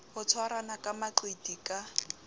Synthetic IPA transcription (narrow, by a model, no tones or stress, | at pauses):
hʊt͡sʰwaɾanakʼamaǃwedikʼa